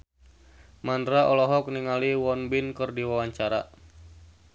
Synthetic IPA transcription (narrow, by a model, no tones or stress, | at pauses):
mandɾaʔɔlɔɦɔk̚niŋaliwɔnbinkɨrdiwawaɲt͡ʃaɾa